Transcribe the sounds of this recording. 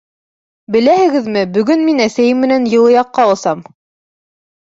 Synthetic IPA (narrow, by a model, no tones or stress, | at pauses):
bɘ̆læhɘ̆ɡɘðmɘbɵ̆ɡɵnminæsæjɘmːɘ̆nænjɤ̆lˠɤ̆jɑqːɑŏlˠsɑm